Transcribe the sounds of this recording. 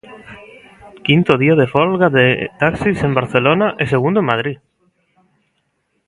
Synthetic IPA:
kint̪oðiað̞efɔlɣaðet̪aksisembaɾθelonaʔeseɣ̞und̪oemːað̞ɾi

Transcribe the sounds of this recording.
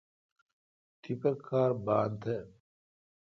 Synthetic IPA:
t̪ʰipɐkʰːaːɾbaːnt̪ʰe

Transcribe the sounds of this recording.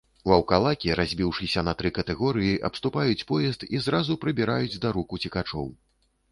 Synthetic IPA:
uɐwkalˠakʲiɾazʲbʲiwʂɨsʲɐnɐt̪ɾɨkɐt̪ɛɣɔɾɨjiʔɐ̰pst̪upajut͡sʲpɔjɛst̪izɾazupɾɨbʲiɾajud͡zʲd̪aɾukut͡sʲikat͡ʂɔ̰w

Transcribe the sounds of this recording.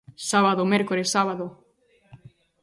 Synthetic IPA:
saβaðomeɾkoɾesaβ̞aðo

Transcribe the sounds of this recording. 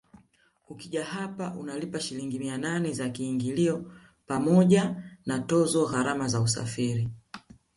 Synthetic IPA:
kukiʄahapaʔunalipaʃiliŋɡimiananɛzakiːŋɡiliɔ | pamɔʄanatɔzɔɣaɾamazausa̰fiɾi

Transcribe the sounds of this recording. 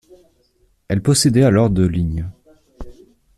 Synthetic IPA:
ɛlpɔsed̪ɛalɔʁd̪əliɲ

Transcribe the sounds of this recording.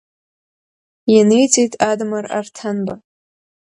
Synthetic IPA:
janejt͡sʼejtʼadmara̰rtʰanba

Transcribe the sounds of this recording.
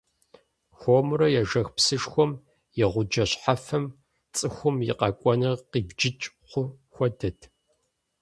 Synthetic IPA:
xʷomrɐjɛʒɐxpsɨʂxʷɔm | jɛʁʷʊd͡ʒɐɕħafɐm | t͡sʼɨxʷʊmjɪ̰qɑkʷʼɔnɨʁqiːbd͡ʒɪt͡ʃʼ | qʷʊxʷɔdɐtʰ

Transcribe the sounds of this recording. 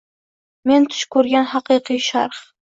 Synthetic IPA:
ment̪ʰʊ̥ʃkʰɵɾɡʲanhɑqɨqijʃaɾχ

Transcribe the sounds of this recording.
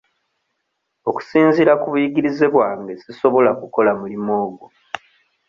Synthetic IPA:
o̞ku̥siːnziɾakuβujiɡiɾizeβwaːŋɡesiso̞βo̞lakuko̞lamulimo̞ːɡo

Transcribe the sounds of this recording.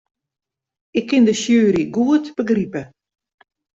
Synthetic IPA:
ɪkʰːɪndəsjøːɾiɡuətb̥əɡripə

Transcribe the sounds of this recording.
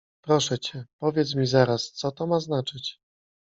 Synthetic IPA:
pɾɔʂɛt͡ɕɛpɔvʲjɛt̪s̬mʲizaɾast̪sɔt̪ɔmaznat͡ʂɘt͡ɕ

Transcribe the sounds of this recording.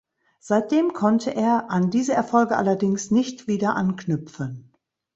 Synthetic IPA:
z̥aɪt̚d̥eːmkʰɔntʰəʔeːɐʔandiːzəɛɐfɔlɡəʔa̰lɐdɪŋsnɪçtv̥iːdɐʔanknʏpp͡fən

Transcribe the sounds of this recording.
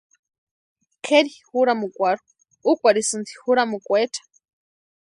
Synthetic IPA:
kʰeɾixuɾamukʷaɾu | ukʷaɾisɨnt̪i̥xuɾamukʷeʈ͡ʂʰḁ

